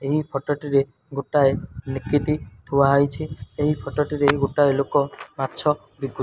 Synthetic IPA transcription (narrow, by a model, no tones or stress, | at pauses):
eɦipʰɔʈɔʈiɾe | ɡoʈaenikit̪it̪ʰuaɦɔjt͡ʃʰieɦipʰɔʈɔʈiɾeeɦiɡoʈaelokɔmatːt͡ʃʰɔ | biɡu